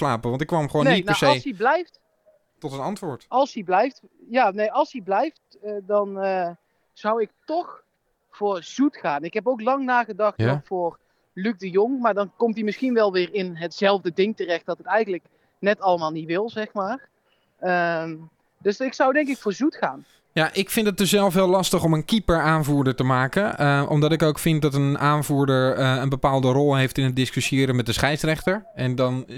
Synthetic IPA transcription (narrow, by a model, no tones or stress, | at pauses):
laːpəʋɑntɪkːʋɑmχəoːnenjinaseljsɦiblɛjft | tɔtənɑntʋʊːɹtɑlˠsɦiblɛjft | jaːnejʔɑlˠsɦiblɛjft | ədɑnə | z̥ʌwɪk̚tɔχ | v̥ʊːɹz̥utχaːnɪkɦɛp̬owklɑŋnaːχədɑχtɔfʊːr | lyk̚dəjoŋmaːɹdɑnkɔmtimɪsχinʋɛlˠʋɪːrɪnɦətzɛlˠvdədɪŋtərɛχt̚d̥ɑtətɛjɣənlək | nɛtɑləmaːlˠnitʋɪlˠzɛxmaːr | ə | dɵsɪksawdɛŋkɪkfʊːɹzutxaːn | jaʔɪkfɪntət̚døsɛlˠfʋɪːlɑstəxɔmənkipəɹaːnvuːɹdəɹtəmaːkənəʔɔ̰mdɑtɪkowkfɪntdɔtənaːnvuːɹdəɹəənbəpaːlˠdərɔlˠɦejftɪnɦət̚dɪskysjɪːɾəmɛt̚dəsχɛjsrɛxtəɹɛndɔn